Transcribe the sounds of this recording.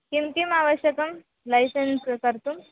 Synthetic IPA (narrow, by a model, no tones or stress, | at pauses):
kimkimaʋəɕjəkəm | lajsənskəɾt̪um